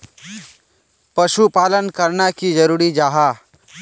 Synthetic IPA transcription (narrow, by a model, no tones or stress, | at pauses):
pɐʃupaːlənkəɾnakid͡ʒəɾuːɾid͡ʒaːɦaː